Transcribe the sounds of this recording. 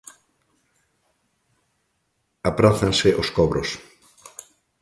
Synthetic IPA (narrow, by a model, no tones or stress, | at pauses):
apɾaθanseʔoskɔβɾʔos